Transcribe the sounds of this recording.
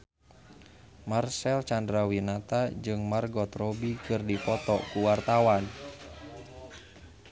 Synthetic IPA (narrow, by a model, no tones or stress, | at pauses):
marsɛlt͡ʃandɾawinat̪ad͡ʒɨŋmarɡɔt̪rɔbikɨrdipɔt̪ɔkuwart̪awan